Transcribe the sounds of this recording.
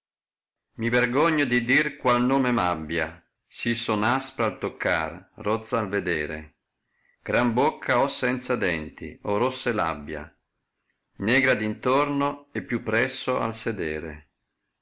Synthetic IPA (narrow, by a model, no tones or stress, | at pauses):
miverɡɔɲːod̪id̪irkwalnoːmemabːja | sisonaspɾaalt̪okʰːa̰rːɔt̪saːlved̪eːɾḛ | ɡ̥ɾambokʰːaɔsːɛnt̪sad̪ɛnt̪ḭɔrosːela̰bːja̰ | nɛːɡɾad̪int̪ornoepːjupːɾɛsːoa̰lsed̪ɛːɾḛ